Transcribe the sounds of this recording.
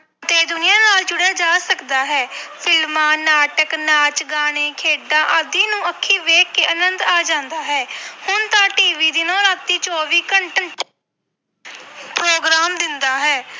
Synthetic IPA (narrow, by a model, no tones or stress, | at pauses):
ət̪eːd̪ʊnɪjãːnaːld͡ʒʊɽaːd͡ʒaːsəkd̪aːɦɛːpʰɪlmãːnaːʈəknaːt͡ʃɡaːɽ̃eːkʰeːɖãːʔəd̪iːnũːəkʰːiːʋeːkːeːʔənənd̪aːd͡ʒãːnd̪aːɦɛːhʊnt̪ãːʈiːʋiːd̪ɪnõːɾaːt̪ːiːt͡ʃɔːʋiːkəɳʈəɳʈ | pɾoːɡɾaːmd̪ɪnd̪aːɦɛː